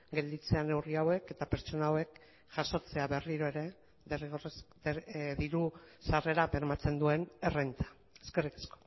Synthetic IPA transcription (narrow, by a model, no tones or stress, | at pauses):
ɡe̞ld̪it͡se̞ane̞wriawe̞ke̞t̪apeɾt͡so̞naːwe̞k | ʝ̥aso̞t͡se̞aβe̞riɾo̞e̞ɾe̞ | ðeriɣor | ðiɾusare̞ɾapeɾmat͡se̞nd̪ue̞ne̞rejnt͡sḁ | eske̞rikḁsko̥